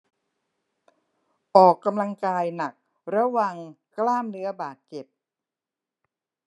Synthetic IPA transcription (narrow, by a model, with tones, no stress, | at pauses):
ʔɔː˨˩kːa˧mla˧ŋkaː˧jna˨˩k̚ | ɾa˧˥wa˨˩ŋ | klaː˥˩mnɯ˦˥ɐbaː˨˩t̪̚t͡ɕe˨˩p̚